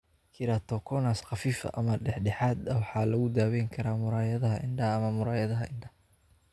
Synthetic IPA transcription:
kʰɪɾat̪ʰɔkʰɔnasqɑfiːfɐ̰ʔɐmɐɖɛħɖɛħaːd̪ɐwɑħɑːlɐɣʊd̪aːwɛjŋkʰɐɾaːmʊɾaːjɐðɐɦɐʔɪɳɖɐɐːmɐmʊɾaːjɐðɐɦɐʔɪɳɖɐh

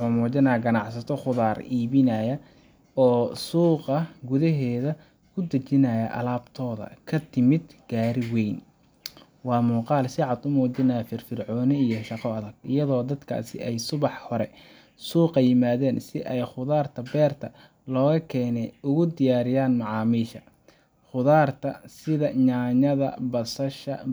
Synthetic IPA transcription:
wʊħʊːmuːt͡ʃɐnaːjɡɐnɑʕsɐt̪ʰɔχʊðaːriːβɪnɐjɐ | ɔːsuːqɐɡʊðɐɦɛːðɐ | kʰʊd̪ɐt͡ʃɪnɐjɐʔɐ̰laːbt̪ʰɔːðɐ̰kʰɐt̪ʰɪmɪd̪ɡ̥aːɾɪwɛjn | wɑːmuːqɑːlsɪʕɑd̪ʊmuːt͡ʃɪnaːjfɪrfɪrʕɔːnɪijɞʃɑqɔɐðɐɡ̚ɪ̰jɐðɔːd̪ɐd̪kʰa̰ːsɪ̰ʔɛjsʊβɑħhɔɾɛ | suːqɑjɪmaːðɛːnsɪʔɛjχʊðaːrt̪ʰɐbɛːrt̪ʰɐ | lɔːɣɐkʰɛːnɛjʊɣʊd̪ɪjaːɾɪjaːnmɑʕɑːmiːʃɐ | χʊðaːrt̪ʰɐsɪðɐɲaːɲɐðɐ̰bɐsɐʃɐ̰

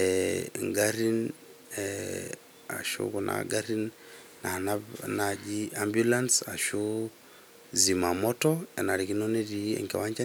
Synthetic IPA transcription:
ɛŋɡaɾin | ɛ | a̰ʃo̰kɔnʔa̰ɡaɾin | nananad͡ʒiambjulansaʃo | zimamɔtɔɛ̰naɾikinɔnediɛ̰ŋkɛ̰waɲd͡ʒa

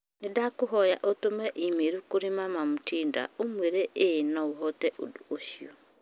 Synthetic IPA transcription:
nedakoɦɔjaʔotomɛʔimeɾukoɾimamamutiːnda̰omweɾeʔenɔuɦɔtɛʔo̰duoʃiɔ

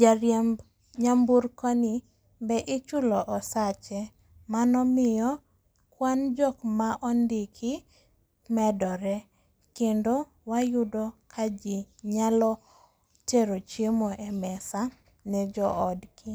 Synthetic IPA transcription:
d͡ʒaɾjam | ɲambuɾkɔni | bɛʔɪt͡ʃʊlɔʔɔsat͡ʃɛ | manɔmɪjɔ | kwand͡ʒɔkmaʔɔndɪkʰɪ | mɛdɔɾɛ | kendo | wajʊdɔkʰad͡ʒiɲalɔ | teɾot͡ʃjemɔʔɛmɛsa | nɛd͡ʒɔɔdki

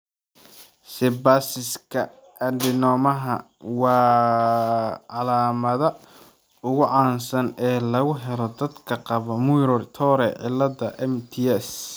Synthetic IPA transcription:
sɪbaːsɪskʰɐ | ʔɐɖɪnɔːmɐɦɐ̰ | wɑː | ʕɑlaːmɐðɐ | ʊɣʊʕɑːnsɐnɛːlɐɣʊɦɛlɔd̪ɐd̪kʰɐqɑβɔmujɾɔrt̪ʰɔːɾɛʕɪ̰lːɐdɐʔɛmt̪ʰiɛs

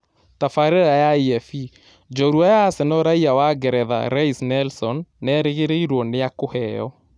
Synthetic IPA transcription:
tafaɾeɾajaiɛfi | d͡ʒɔɾuajasenɔɾaiawaɡɛɾɛða̰ɾaisnɛlsɔnːɛɾeɣeɾeiɾwɔnejakohɛjɔ̰

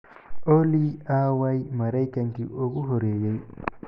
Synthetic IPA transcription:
oliawajmaɾajkaŋkiʔoɡuɦoɾejej

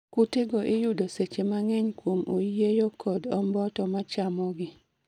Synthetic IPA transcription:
kuteɡoʔɪjudoset͡ʃemaŋeɲkwomo̰jejokʰɔdɔmbɔtɔmat͡ʃamɔɡɪ

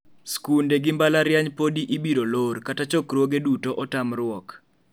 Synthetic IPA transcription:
skundeɡɪmbalaɾjaɲpodiʔibiɾolorkatat͡ʃɔkɾwoɡedutoʔɔtamrʊwɔk

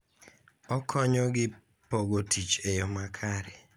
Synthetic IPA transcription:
ɔkʰɔɲɔɡɪ | poɡotʰit͡ʃejɔmakʰaɾɛ

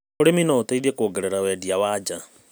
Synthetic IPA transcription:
oɾeminɔotaiðekoɡɛɾeɾawɛdiawaːd͡ʒa

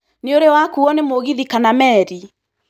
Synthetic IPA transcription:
neoɾewakuɔnemoɣiðikanamɛːɾi

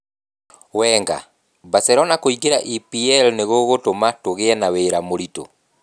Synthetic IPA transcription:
wɛŋɡa̰ | basɛɾɔnakoiɡeɾa̰ʔipiɛlneɣoɣotomatoɣeɛnaweːɾamoɾito̰

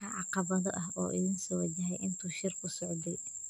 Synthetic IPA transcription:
ɐʕɑqɑβɐðɔʔɐɦʔɔːʔɪðɪnsɔːwɐd͡ʒɐɦɛjʔɪnt̪ʰuːʃɪrkʰʊsɔʕd̪ɛj

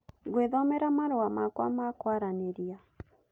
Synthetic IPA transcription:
ɡweðɔmɛɾamaɾowamakwamakwaɾaneɾia

